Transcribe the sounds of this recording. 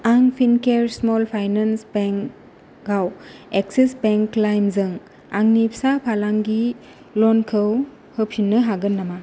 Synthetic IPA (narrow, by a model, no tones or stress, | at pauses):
aŋpʰinkeɾsmɔlpʰajnansbeŋk | ɡawek̚sisbeŋkːlajmzɯŋ | aŋnipsapʰalaŋɡi | lɔnkʰɯw | hɯpʰinːɯɦaɡɯnːama